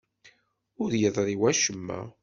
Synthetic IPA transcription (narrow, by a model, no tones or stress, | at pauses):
ʊɾjəðˤɾˤiwæʃəmːæ̰